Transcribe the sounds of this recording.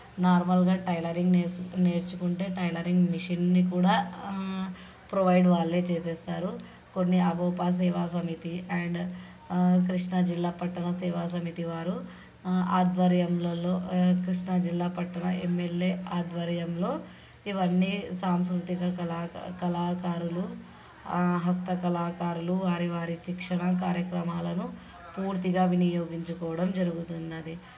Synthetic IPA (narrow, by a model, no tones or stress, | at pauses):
naːɾmɐlɡaːʈɐjlɐɾiŋɡneneːɾt͡ʃukuɳʈe̞ːʈɐjlɐɾiŋɡmiʂinnikuːɽaː | pɾoʋɐjɖʋaːɭːeːt͡ʃeːsɛːst̪aːɾu | konːiɐboːpas̬ɛːʋaːsɐmit̪iɐɳɖ | k̬ɾiʂɳɐd͡ʒilːaːpɐʈːɐɳɐsɛːʋaːsɐmit̪iʋaːɾu | aːd̪ʋɐɾjɐmlɐlo̞ːkɾiʂɳɐd͡ʒilːaːpɐʈːɐɳɐemːeljeːaːd̪ʋɐɾjɐmlo̞ː | iʋɐnːisaːmskɾut̪iɡɐkɐlakɐlaːkaːɾulu | ɦɐst̪ɐkɐlaːkaːɾuluʋaːɾiʋaːɾiʃikʂɐɳɐkaːɾjɐkɾɐmaːlɐnu | puːɾt̪iɡaːʋinijoːɡiɲt͡ʃukɔːʋɐɽɐmd͡ʒɐɾuɡut̪und̪ɐd̪i